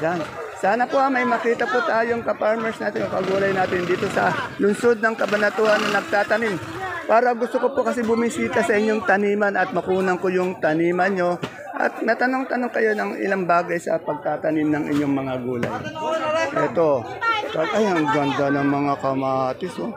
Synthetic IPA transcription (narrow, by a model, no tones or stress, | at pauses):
d͡ʒan | saːnɐpo̞ʔɐmɐjmɐkiːt̪ɐpʊt̪aːjoŋkɐpaɹmɛɹsnaːt̪ɪnopɐɡuːlɐjnaːt̪ɪnd̪iːt̪o̞sɐlʊnso̞d̪̚nɐŋkɐbɐnɐt̪uʔɐnːɐnɐɡ̚t̪aːt̪ɐnɪm | paːɾɐɡʊst̪oko̞pokɐs̬ɛbʊmisiːt̪ɐsɐʔɪɲːo̞ŋt̪ɐniːmɐnɐt̪̚mɐkuːnɐŋkojʊŋt̪ɐniːmɐno̞ | ʔɐ̰t̪̚nɐt̪ɐno̞ŋt̪ɐno̞ŋkɐjo̞nɐŋɪ̰laŋbaːɡɐjsɐ̰pɐɡ̚t̪at̪ɐnɪmnɐŋɪ̰ɲːo̞ŋmɐŋaɡuːlɐ̰j | ʔɛt̪o̞ | kɐɡɐjɐŋɡɐnd̪anɐŋmɐŋakɐmat̪ɪso